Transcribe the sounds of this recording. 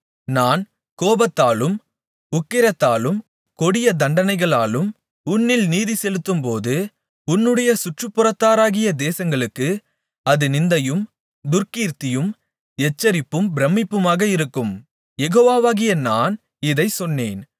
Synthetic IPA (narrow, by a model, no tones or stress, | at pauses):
naːn | koːbɐt̪ːaːlɯm | ʊkːɪɾɐt̪ːaːlɯm | kɔɽɪjɐd̪ɐɳɖɐnɐɪɣɐɭaːlɯm | ʊnːɪlniːðisɛlɯt̪ːɯmpoːðɯ | ʊnːɯɽɐjɐsʊʈrɯpːʊrɐt̪ːaːɾaːɣɪjɐd̪eːsɐŋɡɐɭɯkːɯ | ɐðɯnɪnd̪ɐjɯm | d̪ʊɾkiːɾt̪ɪjɯm | ɛt͡ʃːɐɾɪpːɯmbɾɐmːɪpːɯmaːɣɐɪɾɯkːɯm | jɛɣoːʋaːʋaːɣɪjɐnaːn | ɪðɐɪsɔnːeːn